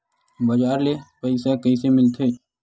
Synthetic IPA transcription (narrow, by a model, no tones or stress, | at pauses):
bɐd͡ʒaːɾlepəɪsakəisemɪlt̪ʰeː